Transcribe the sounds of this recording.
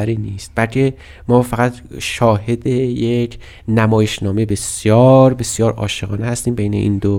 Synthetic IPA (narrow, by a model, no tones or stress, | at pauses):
æɾiːniːst̪̚b̥ælcʲʰe̞ | mɒːfæɣæt̪ | ʃɒːhe̞d̪eje̞cʰ | næmɒːjeʃnɒːmebe̞sjɒːɾbe̞sjɒːɾɒːʃeɣɒːnehæst̪iːmbe̞jne̞̰ʔḭːnd̪o